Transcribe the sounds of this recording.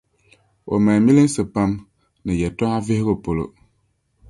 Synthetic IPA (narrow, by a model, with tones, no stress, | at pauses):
o̰˨ma˨mi˦lɨ˦n˦sɨ˨pa˦m | nɨ˨jɛ˨tɔ˦ŋa˦ve˦hɪ˦ɣo˦po˨lo̰˨